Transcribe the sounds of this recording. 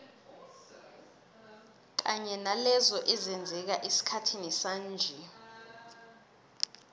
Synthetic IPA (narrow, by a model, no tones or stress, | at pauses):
k̬aɲɛnalɛzɔʔɛzɛnd͡zʱɛk̬aʔisi̥kʰatʰinisaːnd͡ʒʱɛ